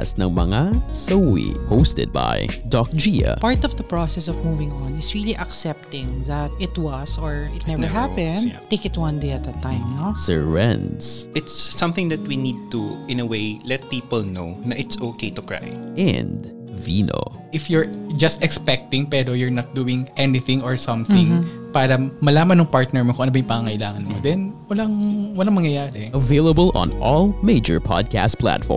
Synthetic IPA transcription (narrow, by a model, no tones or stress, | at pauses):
snɐŋmɐ̰ŋasowḭpoʊst̪ɛ̰d̪̚ba̰jd̪ɔk̚d͡ʒiɐ̰paɹt̪ɔvd̪ɐpɹɔsɛsɔvmuvɪ̃ŋɔ̃nɪsɹiliʔɐksɛp̚t̪ɪ̃ŋðɐt̪̚ɪt̪wʌsɔɹɪt̪nɛvnə˞ɦapɛ̃nt̪eɪkɪt̪wʌ̃nd̪eɐt̪̚d̪ət̪ːãɪ̃mnosɛ̰ɛ̃nd̪sɪt̪sːʌ̃mθɪ̃ŋðɐt̪̚winid̪̚t̪uɪ̃nəweɪlɛt̪̚piːpəlnoʊnɐʔɪt̪soːkejt̪ʊkɹa̰jʔɛ̰̃nd | viːno̰ʔɪfjʊɹd͡ʒɐst̪ɛkspɛk̚t̪ɪ̃ŋpɛːɾojʊɹnɐt̪̚d̪uːwɪŋʔɛnɪθɪ̃ŋoɹsɐ̃mθɪ̃ŋ | paːɾɐmɐlaːmɐnːɐŋpaɹt̪̚nɛɹmokoŋʔɐnobɐjʊ̃ŋpɐŋaŋɐʔɪlaːŋɐnmod̪ɛnwɐlɐŋwɐlɐŋmɐŋjɐjaːɾɛʔɐveɪlˠɐbəlˠɔ̰̃nʔɔlˠmeɪd͡ʒəɹpʰɑ̰d̪̚kʰæ̰st̪̚pʰlæ̰t̪fɔ̰ɹ